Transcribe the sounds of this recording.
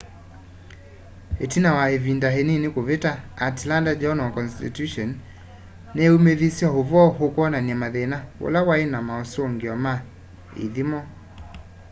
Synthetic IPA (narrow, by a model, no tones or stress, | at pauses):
etinawahevindaɦeninikovetaːtlandad͡ʒɔnɔkɔnstitjuʃɔnː | ɛumeðisiaɦovɔɦokwɔnanamaðɛnawo̰lawaenamaɔsoŋɡiɔma | ḭðimɔ